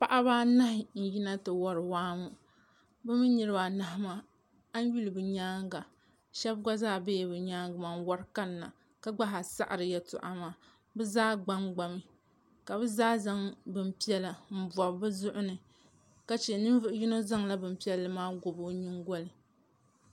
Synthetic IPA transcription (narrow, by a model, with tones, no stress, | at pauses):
pa˦ʔa˦baː˦na˦hɪ˨n̩˨ji˦na˦tɨ˨wɔ˦ɾɨ˨waː˦mu˦ | bɨ˦mi˦nɨ˨ɾɨ˦ba˨na˨ɦa˦ma˦ | a˦n˦ju˦lɨ˨bɨ˨ɲaː˦ŋ˦ɡa˨ | ʃɛ˦bɡa˦zaː˦˨be˦˨bɨ˨ɲaː˦ŋɡɨ˨ma˨nwa˦ɾka˦nː˦a̰˨ | ka˦ɡ͡ba˦ɦa˨sa̰˦ʔa˨ɾɨ˨jɛ˨tʊ̰˨ʔa˨maː˦ | bɨ˦zaː˦ɡ͡ba˦ŋɡ͡ba˨mi˦ | ka˨bɨ˦zaː˦za˦ŋbɨ˨m˦pi˦ɛ˦la˨m̩˨ba˨bɨ˦zʊ˦ʔʊ˦nɨ˨ | ka˨t͡ʃɛ˨nɨ˦n˦vɨ˦ʔʊ˦ji˦no˦za˦ŋla˦bɨ˨m̩˦pi˦ɛ˦lːɨ˨˦maː˦ɡʊ˨bo˦ɲɨ˦ŋɡo˦lɨ˨